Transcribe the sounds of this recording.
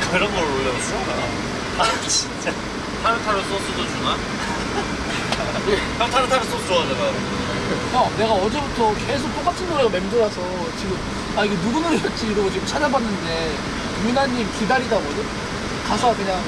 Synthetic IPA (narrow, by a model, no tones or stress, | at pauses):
kɯɾʌnɡʌɾolːʌɡas͈ɯɡa | at͡ɕʰint͡ɕ͈a | tʰaɾɯtʰaɾɯs͈ʌs͈odot͡ɕunan | etʰatʰaɾɯtʰaɾɯs͈ʌouʌneɡa | ʌne̞ɡaʌd͡ʑe̞butʰʌke̞s̬ʰok̚t͈ok͈at͡ɕʰinmoɾeɡame̞mdoɾasʰʌ | t͡ɕiɡɯm | aiɡe̞nuɡunɯjʌt͡ɕ͈iɾot͡ɕiɡɯmt͡ɕʰaɲʌbanːɯnde̞ | junaɲːimkidaɾidabodɯ | kasʰoakɯɲaŋ